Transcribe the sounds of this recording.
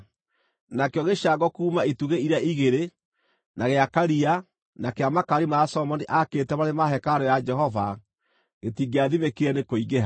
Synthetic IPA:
nakeɔɣeʃaɡɔkuːmaituɣeiɾaiɣeɾe | naɣeakaɾia | nakeamakaɾimasɔmɔniʔaketɛβaɾemaɦɛkaɾɔjad͡ʒɛɦɔva | ɣetiːɡeaðimekeɛnekoiɣeɦa

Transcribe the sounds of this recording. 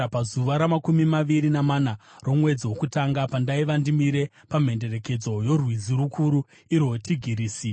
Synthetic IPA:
pazuʋaɾamakumimaʋiɾinamanaro̞mwe̞d͡ziwokutaŋɡapandaiʋandimiɾe̞ | pam̤e̞nde̞re̞ke̞d͡zo̞jo̞rwid͡ziɾukʰuɾu | iɾwotʰiɡʱiɾiːsi

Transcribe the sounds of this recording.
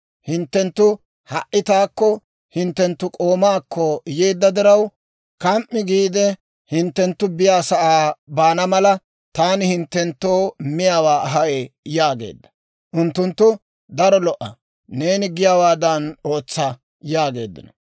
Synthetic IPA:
hɪnt̪ːɛnt̪ːʊ | hɐʔːɪt̪aːkːɔ | hɪnt̪ːɛnt̪ːʊkʼo̞ːmaːkʰːɔjeːd̪ːɐd̪ɪɾɐw | kɐmʔːɪɡiːd̪ɛ | hɪnt̪ːɛnt̪ːʊbɪjaːsɐʔaːbaːnɐmɐlɐ | t̪aːnɪhɪnt̪ːɛnt̪ːoːmɪjaːwaːɐɦɐʔejaːɡe̞̰ːd̪ːɐ̥ | ʔʊnt̪ːʊnt̪ːʊ | d̪ɐɾɔlɔʔɐ | ne̞ːnɪɡɪjaːwaːd̪ɐno̞ːt͡sːɐ | jaːɡe̞̰ːd̪ːɪ̰nɔ

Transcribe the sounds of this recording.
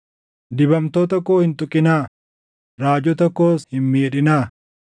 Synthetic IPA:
d̪ɪbɐmt̪oːt̪ɔkːoːhɪnt̪ʼʊkʼːɪnaː | ɾaːd͡ʒɔt̪ɔkːoːshɪnmeːᶑɪnaː

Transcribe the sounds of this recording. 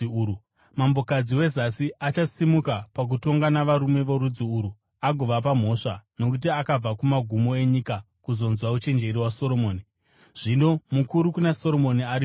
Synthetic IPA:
mambo̞kad͡ziwe̞zasiʔat͡ʃasimukapak̬uto̞ŋɡanaʋaɾume̞ʋoɾud͡ziuɾu | aɡʱoʋap̬am̤o̞ʂano̞kut̬iakab͡vakumaɡʱumo̞e̞ɲika | kuzo̞nzwaut͡ʃe̞nd͡ʒe̞ɾiwaso̞ɾo̞moːni | ʐ̥ino̞mukuɾukunaso̞ɾo̞moniaɾi

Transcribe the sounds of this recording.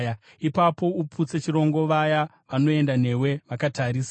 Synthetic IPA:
ja | ipapo̞uput͡set͡ʃiɾo̞ŋɡo̞ʋaja | ʋano̞e̞ndan̤e̞we̞ʋakataɾiːsa

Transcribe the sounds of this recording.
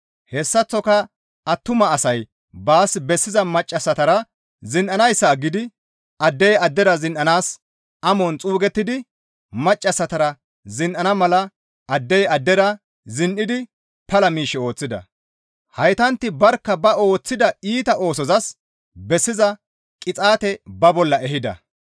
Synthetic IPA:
hɛsːɐt͡sːɔkɐ | ɐt̪ːʊmɐːsɐj | baːsbɛsːɪzɐmɐt͡ʃʼːɐsːɐt̪ɐɾɐ | zɪnʔɐnɐjsːaːɡɪd̪ɪ | ʔɐd̪ːɛjɐd̪ːɛɾɐzɪnʔɐnaːs | ɐmɔnt͡sʼuːɡɛt̪ːɪd̪ɪ | mɐt͡ʃʼːɐsːɐt̪ɐɾɐ | zɪnʔɐnɐmɐlɐ | ɐd̪ːɛjɐd̪ːɛɾɐ | zɪnʔɪd̪ɪ | pɐlɐmiːʃːɛo̞ːt͡sːɪd̪ɐ̰ | hɐjt̪ɐnt̪ːɪbɐɾkːɐbɐo̞ːt͡sːɪd̪ɐiːt̪ɐʔo̞ːsɔzɐs | bɛsːɪzɐ | kʼɪt͡sʼaːt̪ɛbɐbɔlːɐɛhɪd̪ɐ̰

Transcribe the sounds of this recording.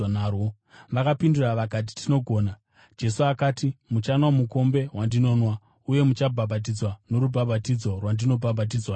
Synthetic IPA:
naːro | ʋakapinduraʋakat̬i̥tʰino̞ɡʱo̞ːna | d͡ʒe̞suakaːtimut͡ʃanwamuko̞mbe̞wandino̞ːnwa | uje̞mut͡ʃabʱabʱat̬id͡zwano̞ɾubʱabʱatid͡zo̞rwandino̞bʱabʱat̬id͡zwa

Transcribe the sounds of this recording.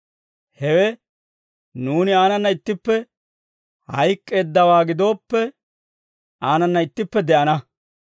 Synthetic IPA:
hɛwɛ | nuːnɪaːnɐnːɐɪt̪ːɪpːɛ | hɐjkʼːe̞ːd̪ːɐwaːɡɪd̪o̞ːpːɛ | aːnɐnːɐɪt̪ːɪpːɛd̪ɛʔɐnɐ

